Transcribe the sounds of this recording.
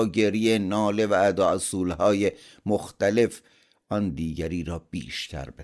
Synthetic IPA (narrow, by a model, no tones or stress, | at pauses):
ɟeɾiːjenɒːle̞vææd̪ɒːsuːlhɒːjemoxt̪æle̞f | ʔɒnd̪iːɟæɾiːɾɒːb̥ḭːʃt̪ʰæ̰ɾbe